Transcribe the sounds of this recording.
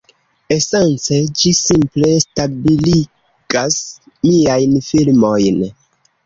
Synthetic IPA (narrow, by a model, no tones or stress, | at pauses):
e̞se̞nt͡se̞d͡ʒisimple̞stabili | ɡ̥as | miajnfilmo̞jn